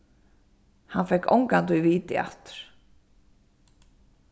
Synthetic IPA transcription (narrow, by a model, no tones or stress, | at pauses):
hanfɛjhko̰wŋkant̪uviːt̪ɪa̰ht̪ʏ̥ɾ̥